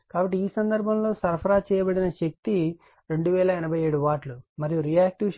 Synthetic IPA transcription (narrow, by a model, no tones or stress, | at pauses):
kaːbɐʈ̬ːiiːsɐnd̪ɐɾbʱɐmlo̞ːsɐɾpʰɐɾaːt͡ʃɛːjɐbɐɽinɐʃek̚t̪i | ɾeɳɖuʋɛːlɐɛnɐbʱɐje̞ːɽuʋaːʈlumɐɾijuɾijaːk̚ʈiw